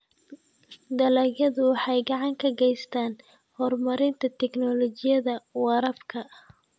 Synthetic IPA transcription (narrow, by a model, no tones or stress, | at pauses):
d̪ɐlɛjɐðʊwɑħɑjɡɑʕɑŋkʰɐɡɛjst̪ʰaːn | hɔrmɐɾɪnt̪ʰɐt̪ʰɛɡnɔlɔt͡ʃɪjɐðɐwɑɾɐbkʰɐ